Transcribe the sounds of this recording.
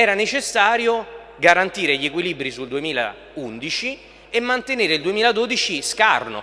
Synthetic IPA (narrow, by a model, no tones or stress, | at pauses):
ɛːɾanet͡ʃesːaːɾjo | ɡaɾant̪iːɾeʎiekwilibɾisuld̪uemiːla̰ | und̪it͡ʃi | emːant̪eneːɾeild̪uemiːlad̪oːd̪it͡ʃiska̰rno̰